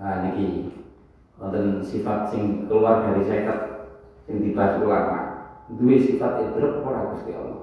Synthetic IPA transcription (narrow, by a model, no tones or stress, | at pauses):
aniki | ɔnt̪ənsifat̪̚sɪŋkəluard̪a̤ɾisaik̪at̪̚ | sɪŋd̪ib̥a̤sulama̰d̪uwesifat̪̚ed̪ɾəp̚poɾaɡ̥ust̪iɔ̰lɔ̰